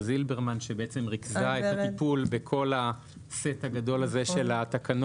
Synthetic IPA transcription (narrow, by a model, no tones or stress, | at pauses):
zilbeʁmanʃebeʔet͡se̞mʁikzaet̪at̪ipulbe̞kʰo̞la | se̞t̪haɡado̞lazeʃe̞lat̪akan